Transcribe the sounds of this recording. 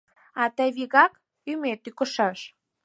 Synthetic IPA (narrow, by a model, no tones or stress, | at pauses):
ɑt̪əβiɣɑk | ymet̪ykə̆ʃɑʃ